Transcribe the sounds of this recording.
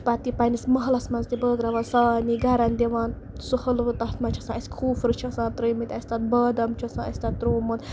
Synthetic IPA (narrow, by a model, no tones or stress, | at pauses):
pat̪ːipɐnismɐɦlɐsmɐnzt̪ibəːɡɾɐʋansaːniɡɐɾɐnd̪eʋaːn | suhɐlʋɨt̪ɐɦt̪mɐt͡ʃʰɐsãɐsʲi̥kʰuːfɾɨt͡ʃʰɐsãːt̪ɾɨjmit̪ʲɐsʲt̪ɐt̪̚bɐːd̪ɐmt͡ʃʰɐsãːɐsʲt̪ɐt̪ːɾoːmun